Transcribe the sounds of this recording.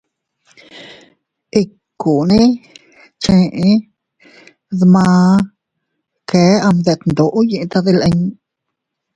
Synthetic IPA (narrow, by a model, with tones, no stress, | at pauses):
ʔi˧ | ku˨nĩ˦ | t͡ʃẽ˧ʔe˧˦ | ðmãː˧ | keː˨˦a˧md̪e˧t̪nd̪o˨ʔo˦jẽ˧ʔt̪a˧ðe˧lʔe˧ɲ